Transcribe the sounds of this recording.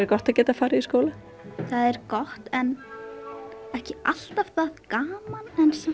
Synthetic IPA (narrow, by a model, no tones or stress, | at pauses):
ɛɾkɔht̪aðcɛːt̪afaːɾɪiskoːla | θaðɛɾkɔht̪ɛn | ɛhcɪal̥t̪av̥θaðkaːmanθɛnsa